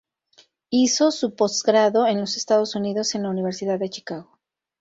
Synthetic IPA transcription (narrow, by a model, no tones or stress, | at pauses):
iso̞supo̞zɡɾaðo̞e̞nlo̞sest̪að̞o̞suniðo̞se̞nlauniβ̞e̞ɾsiðaðːe̞t͡ʃi̥kaɣo̞